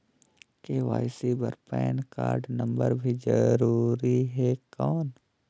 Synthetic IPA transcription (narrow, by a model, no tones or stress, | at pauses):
keʋa̰ːɪsibəɾpɛːnka̰ːɾɖnə̃mbəɾbʱid͡ʒəɾuːɾiɦɛkɔːn